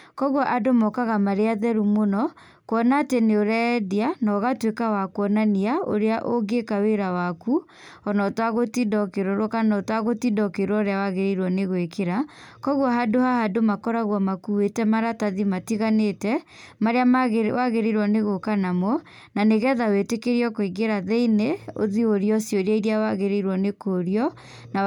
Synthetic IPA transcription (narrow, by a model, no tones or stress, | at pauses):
kɔɣwɔʔadomɔkaɣamaɾeaðɛɾumonɔ | kwɔnaːteneoɾɛdianɔɣatwekawakwɔnaniaʔo̰ɾeaʔoɡekaweɾawaku | ɔnɔtwaɣotidɔkeɾɔɾwokanɔtwaɣotidɔkeɾwɔɾeawaɣeɾiɾwɔneɣwekeɾakɔɣɔɦadohahadomakɔɾaɣwamakuwetɛmaɾataðimatiɣanetɛ | maɾeamɣwaɣeɾeɾwɔneɣokanamɔ | naneɣɛðawetekeɾiɔkoiɡeɾaðeineo̰ðioɾiɔsjɔɾjaiɾiawaɣeɾeiɾwɔnekoɾiɔ | na